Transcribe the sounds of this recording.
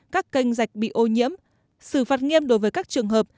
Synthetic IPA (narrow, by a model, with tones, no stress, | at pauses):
kaː˦˥kːa˧jŋ̟za˨˩jk̟̚ɓḭ˧˨ʔo˧ɲḭ˧˥əm | sɨ˧˩faː˨˩t̚ŋi˧əmɗo˨˦jvəː˨˦jkaː˦˥k̚t͡ɕɨ˨˩əŋɦəː˨˩p̚